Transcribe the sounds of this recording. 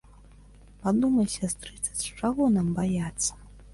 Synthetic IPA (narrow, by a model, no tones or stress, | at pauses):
pad̪umɐjsʲast̪ɾɨt̪sə̥t͡sʲt͡ʂaɣɔnambajat̪sːɐ̥